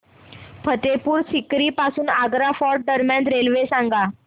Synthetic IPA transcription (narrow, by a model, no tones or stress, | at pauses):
pʰət̪epuːɾsikɾiːpasuːnaɡɾafɔɾʈ̚d̪əɾmjãnt̪ɾelʋesãŋɡa